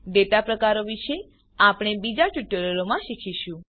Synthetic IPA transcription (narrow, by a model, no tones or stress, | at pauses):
d̪et̪apɾəkaɾoʋiʃe | apɽ̃ebid͡ʒaʈuʈəɾoɾomãʃikʰiʃũ